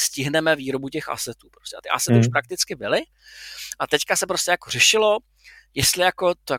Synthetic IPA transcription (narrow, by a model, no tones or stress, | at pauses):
scɪɦnɛmɛviːɾobucɛxʔa̰sɛt̪uːpɾostʲcɛat̪ɪʔa̰sɛt̪ɪuʃpɾak̚t̪ɪt͡skɪbɪlɪ | ʔat̪ɛckasɛpɾoscɛjakorɛʃɪlo̞ | jɛst̪lɪjako̞t̪o